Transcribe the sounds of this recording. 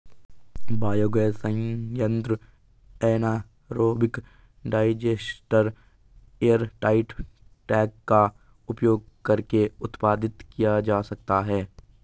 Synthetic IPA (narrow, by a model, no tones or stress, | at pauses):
baːjoːɡesə̃jə̃nt̪ɾ | ɛːnaː | ɾoːbɪk | ɖaːɪd͡ʒesʈəɾ | eːjəɾʈaːɪʈʈɛːkːa | ʊpjoːɡ̚kɐɾkeʊt̪paːd̪ɪt̪kijad͡ʒaːsɐk̚t̪aɦɛː